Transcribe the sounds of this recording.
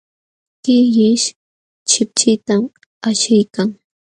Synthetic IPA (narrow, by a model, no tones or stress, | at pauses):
kɪjɪʃ | t͡ʃɪp̚t͡ʃɪt̪am | aʃɪjkaŋ